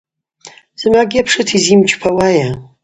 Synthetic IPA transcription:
z̥ɨmaɡʲiapʰʂɨtʰizimd͡ʒʼpʰawaja

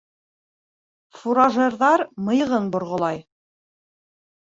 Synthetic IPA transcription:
fuɾɑʒeɾðɑɾmɤ̆jɤ̆ʁɤnbŏɾʁŏlˠɑj

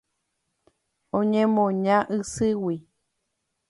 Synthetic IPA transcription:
õɲẽmõɲãʔɨsɨwi

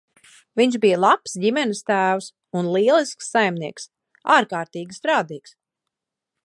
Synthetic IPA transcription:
viɲʃbijəlˠapsdimɛnist̪æːws | unlˠiɛlˠisksːajmniɛks | aːɾkaːɾt̪iːɡʲist̪ɾaːd̪iːks

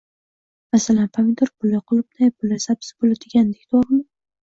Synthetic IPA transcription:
masalanpʰamɪd̪oɾbʊlːaqʰʊlˠɪp̚najbʊlːasabsɪ̥bʊlat̪ʰɪɡʲand̪ɪkʲt̪ʰoɾmɪ

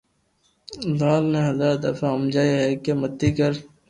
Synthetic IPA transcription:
zaːlneɦɐzaːɾd̪ɐfaʊmd͡ʒaːiɦɛkemɐt̪ːikɐɾ

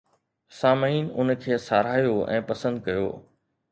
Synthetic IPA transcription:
saːməiːnʊnkʰeːsaːɾaːjoɛ̰̃ːpɐsə̃nd̪̚kɐjo̰ː

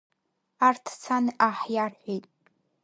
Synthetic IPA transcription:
artʰt͡sʰanɨʔaħjarħʷejtʼ

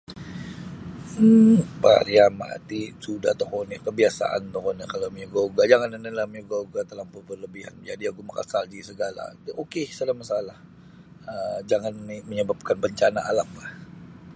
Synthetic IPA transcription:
pa̰ɾiama̰t̪isuda̰ht̪okonikəbiasa̰ʔa̰nt̪okonikalamiuɡoɡad͡ʒaŋanənəlahməuɡoɡat̪əlampunpərləbiha̰nd͡ʒadiaɡumaka̰saldisəɡala̰t̪ʔokesalamasalah | əd͡ʒaŋaniməɲəbap̚kanbəɲt͡ʃanaʔalapːa

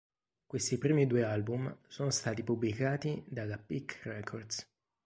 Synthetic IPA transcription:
kwest̪ipɾiːmid̪uealbumsoːnost̪aːt̪ipublikaːt̪id̪alapikrɛkʰord̪s

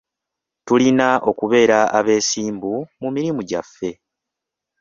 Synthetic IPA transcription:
tulinaʔo̞kuβe̞ːɾaʔaβe̞ːsiːmbumumiɾimuɟafːe̞

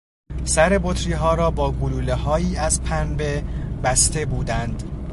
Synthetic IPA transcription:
sæɾe̞bot̪ʰɾiːɦɒːɾɒːbɒːɡuluːlehɒːjiːæzpʰænbe̞bæst̪e̞buːd̪ænd̪

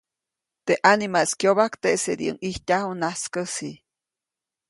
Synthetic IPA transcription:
t̪eʔanimaskjoβakt̪esed̪iə̰ŋiht̪ʲahunaskəsi

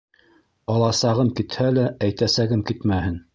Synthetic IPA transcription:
ɑlˠɑsɑʁɤmkit̪hælæʔæjt̪æsæɡɘmkit̪mæhɘn

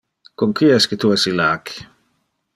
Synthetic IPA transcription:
koŋkiɛsket̪uɛsilak

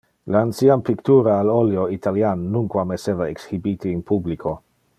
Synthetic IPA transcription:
laːnsiampikt̪uːɾaːloljoit̪aljanːuŋkwamesevaeksxibit̪iːnpublikʰo

